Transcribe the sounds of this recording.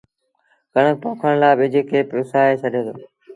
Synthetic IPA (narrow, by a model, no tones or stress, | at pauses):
kəɳ̃əpoːkʰəɽ̃laːɓɪd͡ʒekʰeːpɾʊsaːeːsʰəɗʱẽːd̪oː